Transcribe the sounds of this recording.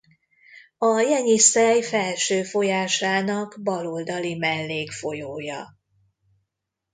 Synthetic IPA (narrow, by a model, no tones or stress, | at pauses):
ɒjɛɲisɛjfɛlʃøːfo̞jaːʃaːnɒɡbɒlo̞ld̪ɒlimɛlːeːkfo̞joːjɒ